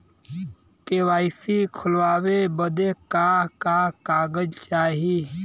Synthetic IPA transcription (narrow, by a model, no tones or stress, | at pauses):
kewaːɪsikʰʊlwaːwebəd̪ekakakaːɡəd͡ʒt͡ʃaːɦi